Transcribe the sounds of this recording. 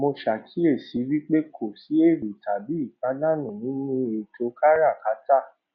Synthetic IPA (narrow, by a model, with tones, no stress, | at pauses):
mo˧ʃa˨kʰi˨˦e˦˨si˨˦wi˦k͡pe˦kʰo˨si˨˦e˦˨ɾu˨tʰa˨bi˨˦i˦˨k͡pa˨˦na˦˨nũ˨nĩ˨˦nũ˦e˨tʰo˨˦ka˦ɾa˦˨ka˨˦ta˦˨